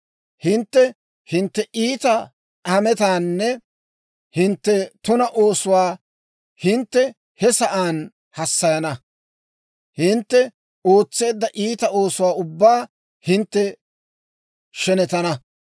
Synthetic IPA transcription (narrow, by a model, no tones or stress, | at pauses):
hɪnt̪ːɛ | hɪnt̪ːɛʔiːt̪ɐ | ɐmɛt̪aːnːɛ | hɪnt̪ːɛt̪ʊnɐʔo̞ːsʊwaː | hɪnt̪ːɛ | hɛsɐʔaːn | hɐsːɐjɐnɐ | hɪnt̪ːɛ | o̞ːt͡sːe̞ːd̪ːɐʔiːt̪ɐo̞ːsʊwaːʊbːaː | hɪnt̪ːɛ | ʃɛnɛt̪ɐnɐ